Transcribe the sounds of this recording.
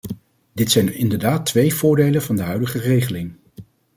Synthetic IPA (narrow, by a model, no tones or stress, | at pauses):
dɪtsɛjnɪndəɹdaːtʋejv̥ʊːɹdejlənvɑndəɦœɥdəχərejχəlɪŋ